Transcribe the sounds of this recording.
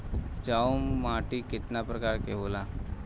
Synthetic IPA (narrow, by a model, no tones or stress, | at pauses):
ʊpd͡ʒaːomːaːʈikɪt̪napɾɐkaːɾkeɦoːlaː